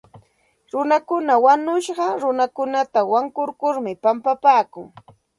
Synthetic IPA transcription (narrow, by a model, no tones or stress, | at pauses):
ɾʊnakʊnawanʊʃɢɑɾʊnakʊnat̪awaŋkʊɾkʊɾmɪpampapaːkʊŋ